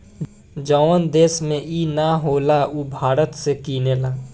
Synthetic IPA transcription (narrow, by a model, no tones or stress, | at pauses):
d͡ʒɔːʋənd̪eːsmẽiːnaɦoːlauːbʱaːɾət̪sekiːneːlaː